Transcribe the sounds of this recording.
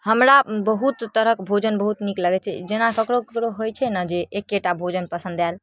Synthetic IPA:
həmɾabəɦut̪ːəɾəkbʱod͡ʒənbəɦut̪nikləɡɛt͡ʃʰɛd͡ʒenakəkɾokəkɾoɦojt͡ʃʰɛnəd͡ʒeːkːeʈabʱod͡ʒənpəsə̃nd̪al

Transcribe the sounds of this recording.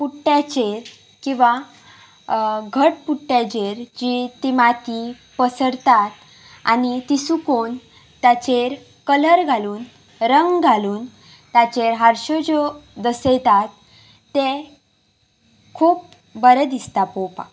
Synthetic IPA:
puʈːjat͡ɕeɾ | kĩʋa | ɡʱəʈpuʈːjat͡ɕeɾd͡ʑit̪imat̪i | pəsəɾt̪at̪ | a̰nit̪isukon | t̪at͡ɕeɾ | kələɾɡʱaluːn | ɾəŋɡɡʱaluːn | t̪at͡ɕeɾɦaɾɕɔd͡ʑod̪əset̪at̪ː | e | kʰuːp̚ | bəɾəd̪ist̪apowpa̰

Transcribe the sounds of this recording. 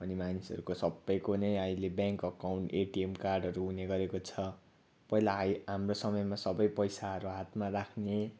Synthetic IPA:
ʌnimanisʌ̰ɾukosʌbːʌjkonʌjajlebjaŋkʌkawɳʈeʈiemkarɖʌɾuɦuneɡʌɾekot͡sʰʌ | pʌɦilaɦjɦamrosʌmʌjmasʌbʌjpʌjsaɦʌɾuɦat̪marakʰne

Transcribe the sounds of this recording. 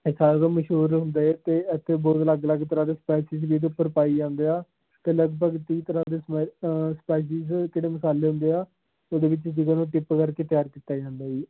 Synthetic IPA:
saːɾaːd̪aːməʃɦuːɾɦʊ̃nd̪aːɛːt̪eːət̪ʰːeːbɔːt̪ləɡləɡt̪əɾãːd̪eːspɛːsɪzbiːd̪eːʊpːəɾpaːiːd͡ʒãːnd̪eːaː | t̪eːləɡbəɡt̪iːt̪əɾãːd̪eːsspɛːʃ̬ɪzkeːɽeːməsaːleːɦʊ̃nd̪eːaː | oːd̪eːʋɪt͡ʃd͡ʒɪɡãːnũːʈɪpkəɾkeːt̪jaːɾkiːt̪aːd͡ʒãːnd̪aːiː

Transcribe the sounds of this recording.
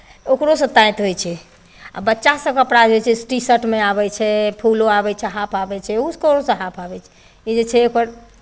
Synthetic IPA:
okɾosə̃t̪ãjt̪ɦojt͡ʃʰɛ | a̰bətːʃasə̃kəpɾad͡ʒet͡ʃʰɛsʈisəʈmeaβɛt͡ʃʰɛpʰuloabɛt͡ʃʰɛɦapʰabɛt͡ʃʰɛuskəɾosə̃ɦapʰabɛt͡ʃʰɛ̥ | id͡ʒet͡ʃʰɛokəɾ

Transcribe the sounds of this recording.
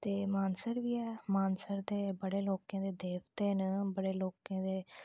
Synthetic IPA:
t̪eːmaːnsəɾʋiːɛːmaːnsəɾd̪eːbəɽeːloːkãːd̪eːd̪eːʋt̪eːnəbəɽeːloːkãːd̪eː

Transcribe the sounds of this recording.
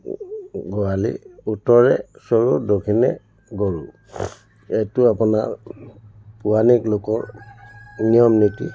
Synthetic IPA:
ɡɔalḭutɔɹɛsɔɹudokʰinɛ | ɡoɹu | ejtuapunaɹ | puaniklokɔɹ | nijɔmnitḭ

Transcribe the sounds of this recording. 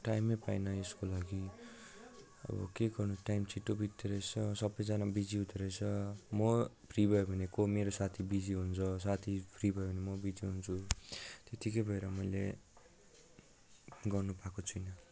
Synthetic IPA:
ʈajmepajnʌeskolaɡi | ʌ̰bʌ̰keɡʌrnuʈajmt͡sʰiʈːobit̪ːeɾʌjt͡sʰʌsʌbʌjd͡zanabid͡ziɦut̪eɾʌjt͡sʰʌmʌpʰribʱʌjobʱʌnekomeɾosat̪ʰibid͡ziɦunt͡sʰʌs̬at̪ʰipʰribʱʌjobʌnemʌbid͡ziɦunt͡sʰut̪et̪ʰikʌjbʱʌeɾʌmʌjle | ɡʌrnupakot͡sʰujnʌ

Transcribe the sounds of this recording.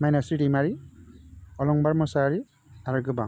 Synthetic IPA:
majnasiɾimaɾi | ɔlɔŋbaɾmɔsaɾi | aɾɯɡɯbaŋ

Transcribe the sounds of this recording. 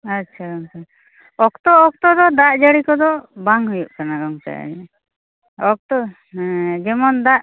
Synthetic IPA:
atːt͡ʃʰaɡɔŋt̪a | ɔkt̪ɔɔk̚t̪ɔd̪ɔd̪aʔd͡ʒaɽikɔd̪ɔbaŋɦujuʔkanaɡɔŋt̪a̰ʔa̰d͡ʒɛ̰ | ɔk̚t̪ɔ | d͡ʒɛmɔnd̪aʔ

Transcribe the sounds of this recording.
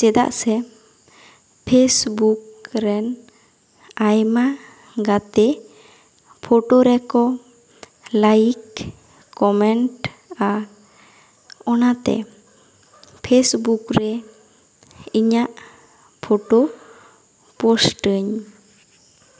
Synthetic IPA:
t͡ʃɛd̪a̰ʔsɛ | pʰesbuk̚ɾɛn | ajma | ɡat̪ɛ | pʰoʈoɾɛkɔ | lajikː | ɔmɛɳʈa | ɔnat̪ɛ̰ | pʰesbukɾɛ | iɲaʔ | pʰɔʈo | pɔsʈəɲ

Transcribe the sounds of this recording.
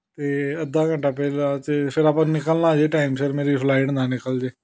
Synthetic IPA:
t̪eːəd̪aːkə̃ɳʈaːpɛːlaːt͡ʃepʰɪɾaːpãnɪkəlnaːd͡ʒeːʈaːimsəɾmeːɾiːpʰlaːɪʈnãːnɪkəld͡ʒeː

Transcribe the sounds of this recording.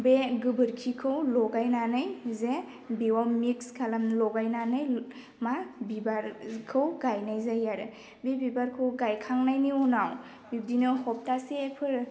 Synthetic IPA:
beɡɯbɯɾkʰikʰɯwlɔɡajnanɯjze | bewawmikskʰalamlɔɡajnanɯj | mabibaɾkʰɯwɡajnajzajaɾɯ | bebibaɾkʰɯwɡajkʰaŋnajniunaw | bib̚dinɯhɔp̚tasepʰɯɾ

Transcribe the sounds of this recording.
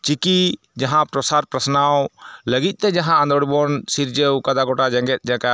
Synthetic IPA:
t͡ʃiki | d͡ʒaɦãpɾɔsaɾpɾəsnawləɡit̪̚ˀt̪ɛd͡ʒaɦãːnd̪ɔɽbɔnsiɾd͡ʒewkad̪aɡɔʈad͡ʒɛŋɡɛt̪̚ˀd͡ʒãka

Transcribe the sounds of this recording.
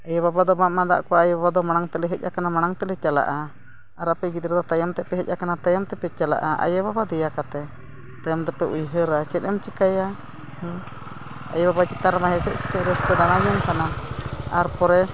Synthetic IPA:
ɛjɛbabad̪ɔmaʔmad̪a̰ʔkɔwajbabad̪ɔmanaŋt̪ɛlɛɦɛc̚ʔakanamanaŋt̪ɛlɛt͡ʃala̰ʔa | aɾapɛɡit̪ɾɛd̪ɔt̪ajɔmt̪ɛpɛɦɛc̚ʔakanat̪ajɔmt̪ɛpɛt͡ʃala̰ʔaʔa̰jɛbabad̪ɛjakat̪ɛ | t̪ajɔmt̪ɛpɛʔujɦəɾat͡ʃɛt̪̚ˀɛmt͡ʃikaja | h | a̰jɛbabat͡ʃit̪aɾmaɦɛsɛ̰ʔsi̥kɛɾɛspɛdanajɔmkanaaɾpɔɾɛ

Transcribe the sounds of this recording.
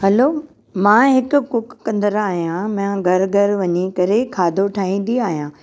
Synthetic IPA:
ɦɐloː | mãːɦɪkʊ̆kʊkkɐ̃nd̪əɾaːɦijãmãɡʱɐɾɡʱɐɾʋɐɲikɐɾekʰaːd̪ʱoʈʰaːɦĩːnd̪iaːɦijãː

